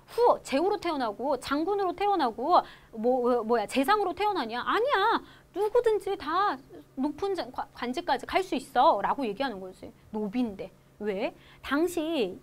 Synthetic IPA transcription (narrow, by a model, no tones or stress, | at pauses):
ɸuʌt͡ɕe̞uɾotʰe̞ʌnɦaɡot͡ɕaŋɡunɯɾotʰe̞ʌnaɡomʌmʌjat͡ɕe̞s̬ʰaŋɯɾotʰe̞ʌnɦaɲiaʔaɲia | nuɡudɯnd͡ʑitanopʰɯnd͡ʑakakwand͡ʑik͈ad͡ʑikaɭs͈uis͈ʌɾaɡoje̞ɡiɦanɯnɡʌɕʰi | nobinde̞ | we̞ | taŋɕʰi